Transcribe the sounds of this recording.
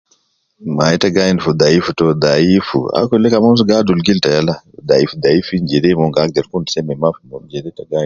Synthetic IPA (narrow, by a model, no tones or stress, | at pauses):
maɛtaɡajinfud̪aifutɔd̪aifṵa̰kɔlɛkamɔns̬uɡadulɡiltajalad̪aifud̪aifind͡ʒɛdɛmɔŋɡak̚dɛɾkunsɛmɛmafumɔd͡ʒɛdɛtaɡaj